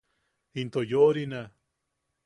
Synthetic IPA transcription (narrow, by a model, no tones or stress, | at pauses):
int̪ojoɾina